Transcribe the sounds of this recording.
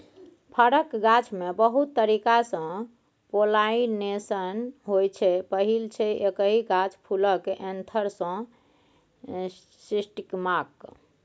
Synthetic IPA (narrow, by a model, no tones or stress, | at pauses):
pʰəɽəkɡat͡ʃʰmebəɦut̪ːəɾikasə̃ | polainesənɦojt͡ʃʰɛpəɦilt͡ʃʰɛekəɦiɡat͡ʃpʰuləkeʔẽnt̪ʰəɾsə̃ | sisʈikmak